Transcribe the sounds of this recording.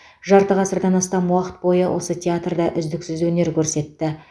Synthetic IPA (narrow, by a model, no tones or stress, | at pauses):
ʒɑɾt̪əʁɑsəɾd̪ɑnɑst̪ɑmwɑqə̥t̪̚bo̞jəwʔo̞̰sət̪ʲʰeat̪rd̪ɑʔʏzd̪ɪksɪzwɵne̞ɾkʲʰɵɾse̞t̪ːɪ